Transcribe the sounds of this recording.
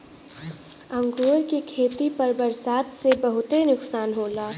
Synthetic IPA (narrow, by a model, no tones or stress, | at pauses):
ɐ̃ŋɡoːɾkekʰeːt̪ipɐɾbɐɾsaːt̪sebɐɦʊt̪enʊksaːnɦoːlaː